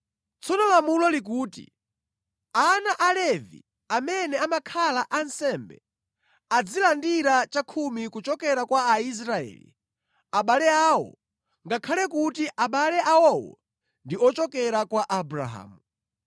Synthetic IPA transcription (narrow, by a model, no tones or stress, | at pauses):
t͡sʰɔnɔlamulɔlik̬uːtḭ | anaʔalɛvḭ | amɛnɛamakʰalaʔansɛmbɛ̰ | ad͡zilandiɾat͡ʃakʰumikut͡ʃɔkɛɾakwaːis̬ɾaɛ̰ːlḭ | aɓalɛaːwɔ̰ | ŋɡakʰalɛkutiʔaɓalɛʔawɔwɔ̰ | ndiɔt͡ʃɔkɛɾakwaʔabɾa̰ɦa̰ːmu